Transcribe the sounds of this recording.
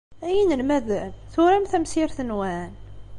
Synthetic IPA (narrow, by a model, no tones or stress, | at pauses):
æjinəlmæðænθʊɾæmθæmsiɾθənwæn